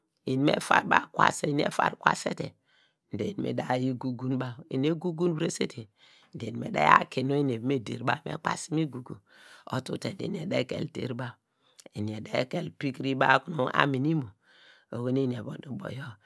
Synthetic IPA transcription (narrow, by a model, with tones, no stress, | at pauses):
i˨n˦mḛ˦fa˦ɾba̰˦kwa̰˨se˦i˨˦n˦ḛ˦fa̰˨ɾkwa̰˦se˦te˨ | n̩˨de˨ni˨mḛ˨da˨ji˦ɡu˨ɡu˦nba˦˨ḭ˨n˦e˦ɡu˦ɡu˦n˦bɾe˦se˦tʰe˨ | n̩˨de˨i˨mḛ˨da̰˦ja̰˦ke˨no˦i˦n˨e˨bme˦dḛ˨ɾba˦˨mḛ˦k͡pa˦˨si˦mi˦ɡu˨ɡṵ˨ | o̰˦tṵ˦te˨n˨dḛ˨n˨e˨de˦kḛ˨ltḛ˦˨ɾba˦˨ | i˨ni˨e˨de˦ke˨lpi˦kɾi˦ba˦ku˨no˦ʔa̰˦mi˨ni˦mo˨ | o˨ɡo˦ne˦n˨e˨bo˨du˨bo̰˨jo˦